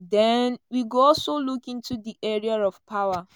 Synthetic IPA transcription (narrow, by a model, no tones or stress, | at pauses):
dɛnwiɡoɔlsolukĩntudiʔɛɹiaɹɔv̥pʰawa